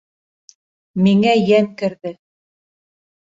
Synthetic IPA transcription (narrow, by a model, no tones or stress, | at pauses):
miŋæjæmkɘ̆ɾðɘ